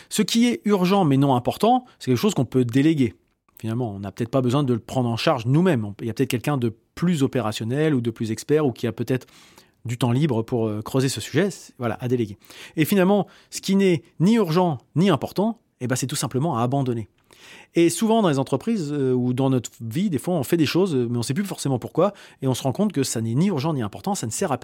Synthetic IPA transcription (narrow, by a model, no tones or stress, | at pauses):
səkʲiɛyʁʒɑ̃mɛnɔ̃ɛ̃pɔʁt̪ɑ̃sɛkʲɛlkə̥ʃozkɔ̃pød̪eleɡʲe | finalmɑ̃ɔ̃napøt̪ɛt̪χpabəzwɛ̃d̪ələpχɑ̃d̪ʁɑ̃ʃaʁʒnumɛmɔ̃iljapøt̪ɛt̪χkʲɛlkʲɛ̃d̪ə | plyzɔpeʁasjɔnɛlud̪əplyzɛkspɛʁukʲiapøt̪ɛt̪χ | d̪yt̪ɑ̃libʁəpuʁøkχøzesəsy̥ʒɛsvwala̰ʔad̪eleɡʲeefinalmɑ̃ | sə̥kʲinɛniyʁʒɑ̃niɛ̃pɔʁt̪ɑ̃ | ebasɛt̪usɛ̃pləmɑ̃aːbɑ̃d̪ɔne | esuvɑ̃d̪ɑ̃lezɑ̃t̪χəpχizøud̪ɑ̃nɔt̪χəvid̪efwaɔ̃fɛd̪eʃozmɛɔ̃sɛp̬lyfɔʁsemɑ̃puʁkwaeɔ̃səʁɑ̃kɔ̃t̪̚kəsanɛniyʁʒɑ̃niɛ̃pɔʁt̪ɑ̃sanəsɛʁap